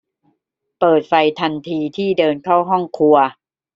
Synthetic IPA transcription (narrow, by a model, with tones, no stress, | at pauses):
pɤː˨˩t̪̚fa˧jt̪ʰa˧nt̪ʰiː˧t̪ʰiː˥˩dɤː˧nkʰa˥˩wɦɔ˥˩ŋkʰu˧ɐ